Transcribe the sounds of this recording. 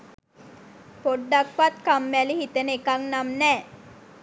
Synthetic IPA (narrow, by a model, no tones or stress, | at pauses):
poɖːakʋat̪kamːælihit̪ənəekaŋnamnɛː